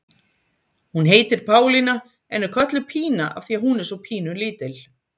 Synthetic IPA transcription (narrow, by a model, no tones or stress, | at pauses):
hunɦeːjt̪ɪɾ̥pʰaːwlina | ɛnɛɾkʰœht̪lʏpʰiːnaʔa̰vθiːahunɛ̥sɔpʰiːnʏliːt̪ɪl